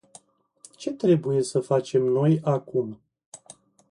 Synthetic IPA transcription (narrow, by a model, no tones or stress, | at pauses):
t͡ʃe̞t̪ɾe̞buje̞səfat͡ʃe̞mno̞jakum